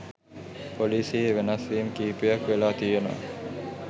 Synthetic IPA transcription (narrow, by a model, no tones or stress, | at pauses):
poliːsijeʋenasʋimkiːpejakʋelaːt̪ijena̰